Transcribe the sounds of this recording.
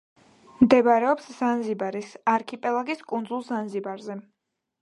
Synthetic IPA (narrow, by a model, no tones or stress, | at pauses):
md̪ɛbaɾɛɔpsz̥anzibaɾisaɾkʰipʼɛlˠaɡiskʼund̪zulˠzanzibaɾzɛ